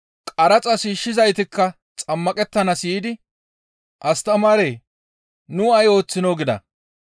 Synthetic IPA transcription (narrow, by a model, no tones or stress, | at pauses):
kʼɐɾɐt͡sʼɐsiːʃːɪzɐjt̪ɪkːɐ | t͡sʼɐmːɐkʼɛt̪ːɐnɐsiːd̪ɪ | ʔɐst̪ɐmɐɾeː | nʊɐjo̞ːt͡sːɪno̞ːɡɪd̪ɐ̰